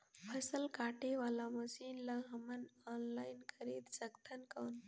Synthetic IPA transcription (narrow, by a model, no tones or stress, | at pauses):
pʰəsəlkaʈʰeʋalaməsinlaɦəmənɔnlajnkəɾet̪səkt̪ʰənkawn